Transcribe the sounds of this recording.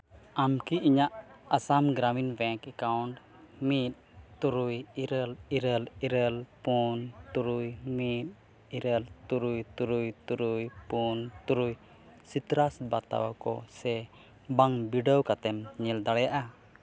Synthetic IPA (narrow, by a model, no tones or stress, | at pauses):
amkiiɲaʔasamɡɾaminbɛ̃ŋkɛkawɳʈ | mit̪̚t̪uɾujiɾəliɾəliɾəlpunt̪uɾujmit̪̚ | iɾəlt̪uɾujt̪uɾujt̪uɾujpunt̪uɾuj | sit̪ɾasbat̪a̰wakɔ̰sɛ | baŋbiɖəwkat̪ɛmɲɛld̪aɽɛjaʔa